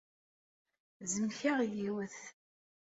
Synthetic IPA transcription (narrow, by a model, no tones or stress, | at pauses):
zəmçaʁjiwæθ